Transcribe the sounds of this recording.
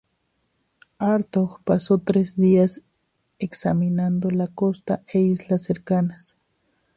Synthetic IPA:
aɾt̪oxpasot̪ɾezd̪ias | eksaminand̪olakost̪aʔeislaseɾkanas

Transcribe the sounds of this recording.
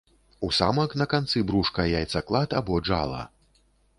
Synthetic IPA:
usa̰mɐknɐkant̪sɨbɾuʂkɐjajt̪sɐklˠat̪abɔd͡ʐa̰lˠɐ̰

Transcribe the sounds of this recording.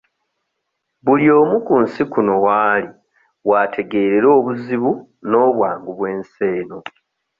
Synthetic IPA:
βuljo̞ːmukunsikuno̞waːli | waːtʰe̞ɡe̞ːɾe̞ɾo̞ːβuziβu | no̞ːβwaːŋɡuβweːnse̞ːno

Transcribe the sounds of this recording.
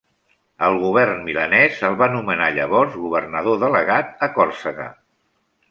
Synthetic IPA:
əlˠɣuβ̞ɛrnmilənɛzəlˠβanumənaʎəβɔrzɣuβ̞ərnəð̞oðələɣat̪̚əkɔrsəɣə̰

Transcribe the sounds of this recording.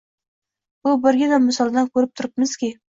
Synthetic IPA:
bʊbɪɾɡʲɪnamːɪsɒlˠd̪ankʰɵɾɪp̚t̪ʰʊɾɪp̚mɪz̥kʲɪ

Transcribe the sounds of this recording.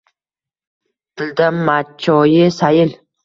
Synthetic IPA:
t̪ʰɪld̪amːat͡ʃʰːɔjɪsajɪl

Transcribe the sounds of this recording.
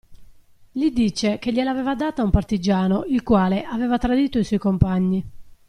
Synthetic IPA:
ʎid̪it͡ʃek̟eʎːelavɛːvad̪aːt̪aumpart̪id͡ʒaːnoilkwaːleʔavɛːvat̪ɾad̪iːt̪oiswɔjkompaɲːi

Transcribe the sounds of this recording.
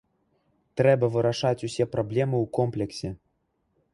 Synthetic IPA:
t̪ɾɛbɐvɨɾaʂat͡sʲusʲɛprɔblʲɛmɨukomplʲɛksʲe

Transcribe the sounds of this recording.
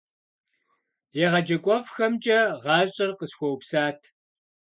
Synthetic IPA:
jɛʁɐd͡ʒɐkʷʼɔfxɐmt͡ʃʼɐʁɑːɕʼɪrqəsxʷɔwpsaːtʰ

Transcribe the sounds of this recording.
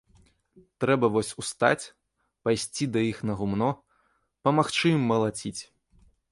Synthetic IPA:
t̪ɾɛbɐvɔsʲust̪a̰t͡sʲ | pajsʲt͡sʲid̪ɐixnɐɣumnɔ | pɐmaxt͡ʂɨjimːɐlˠat͡sʲit͡sʲ

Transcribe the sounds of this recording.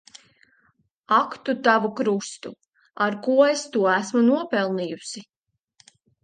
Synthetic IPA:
akt̪ut̪avukɾust̪u | aɾkuɔest̪uɔæsmunuɔpɛlˠnijusi

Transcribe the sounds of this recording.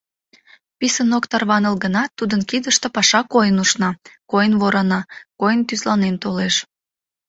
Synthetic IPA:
pisənokt̪ɑrβɑnəlɣənɑt̪ːud̪ənkid̪əʃt̪opɑʃɑkojənuʃnɑkojənβoɾɑnɑkojənt̪yzlɑnent̪oleʃ

